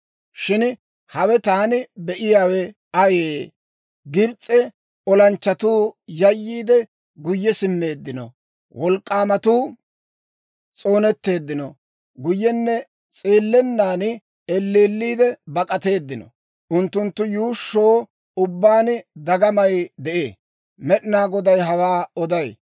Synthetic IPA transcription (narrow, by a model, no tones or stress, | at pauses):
ʃɪn | hɐwɛt̪aːnɪbɛʔɪjaːwɛ | ɐjeː | ɡɪɾt͡sʼːɛ | ɔlɐnt͡ʃːɐt̪uːjɐjːiːd̪ɛ | ɡʊjːɛsɪmːe̞ːd̪ːɪnɔ̰ | wʔɔlkʼːaːmɐt̪uː | t͡sʼo̞ːnɛt̪ːe̞ːd̪ːɪnɔ | ɡʊjːɛnːɛ | t͡sʼeːlːɛnːaːn | ɛlːeːlːiːd̪ɛbɐkʼɐt̪e̞ːd̪ːɪnɔ̰ | ʔʊnt̪ːʊnt̪ːʊjuːʃːoː | ʊbːaːnd̪ɐɡɐmɐjd̪ɛʔeː | mɛɗɪnaːɡɔd̪ɐjɦɐwaːɔd̪ɐj